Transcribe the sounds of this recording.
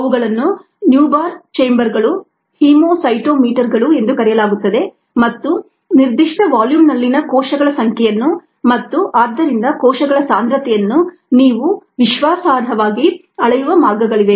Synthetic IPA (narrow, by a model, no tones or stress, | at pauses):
ɐʋuɡɐɭɐnːu | njuːbaːɾt͡ʃejmbɐɾɡɐɭu | hiːmoːsɐjʈoːmiːʈɐɾɡɐɭue̞nd̪ukɐɾɛjɐlaːɡut̪ːɐd̪e̞ | mɐt̪ːu | niɾd̪iʂʈɐʋaːljuːmnɐlːinɐkɔːʃɐɡɐɭɐsɐŋkʰɛjɐnːu | mɐt̪ːuʔaːd̪ːɐɾind̪ɐkɔːʃɐɡɐɭɐsaːnd̪ɾɐt̪ɛjɐnːu | niːʋuʋiʃʋaːsaːd̪ʱɐʋaːɡi | ɐɭɐjuʋɐmaːɡɐɡɐɭiʋe